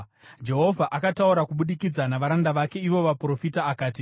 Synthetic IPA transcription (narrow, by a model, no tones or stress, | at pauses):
d͡ʒe̞ɦo̞vʱaʔakatauɾakuɓuɗikid͡zanaʋaɾandaʋake̞iʋo̞ʋapro̞fitaːkaːti